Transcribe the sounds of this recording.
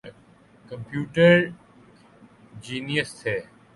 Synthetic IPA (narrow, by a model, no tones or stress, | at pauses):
kə̃mpjuːʈəɾ | d͡ʒiːnijəst̪ʰeː